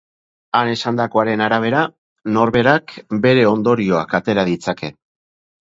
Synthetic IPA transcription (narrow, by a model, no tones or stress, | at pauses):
ane̞sand̪ako̞aɾe̞naɾaβ̞e̞ɾa | no̞ɾβe̞ɾakbe̞ɾe̞o̞nd̪o̞ɾio̞a̰kat̪e̞ɾað̞it͡sake̞